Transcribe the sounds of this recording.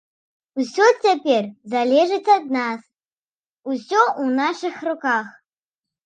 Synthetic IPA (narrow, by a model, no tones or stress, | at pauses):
usʲot͡sʰʲapʲerzalʲeʐɨtʰad̪nas | usʲoʔunaʂɨxrukaχ